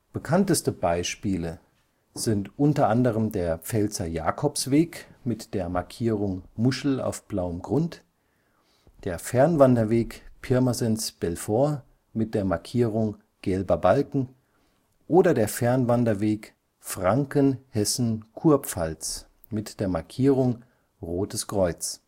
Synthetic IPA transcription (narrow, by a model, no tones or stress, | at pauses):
b̥əkʰantəstəbaɪʃpiːlə | z̥ɪntʔʊntɐʔandəʁ̞əmdeːɐp͡fɛlt͡sɐja̰ːkʰɔpsv̥eːkmɪtd̥eːɐmaɐkʰiːʁ̞ʊŋmʊʃl̩a̰ʊfb̥laʊəmɡʁʊnt | d̥eːɐfɛɐnvandɐveːkpʰɪɐmazɛnsb̥ɛlfoːɐ | mɪt̚d̥eːɐmaɐkʰiːʁ̞ʊŋ | ɡ̥ɛlbɐbalkŋ̩ | ʔoːdɐdeːɐfɛɐnvandɐveːk | fʁ̥aŋkənhɛsn̩kʰuːɐpp͡falt͡s | mɪtd̥eːɐmaɐkʰiːʁ̞ʊŋ | ʁoːtəskʁ̥ɔʏt͡s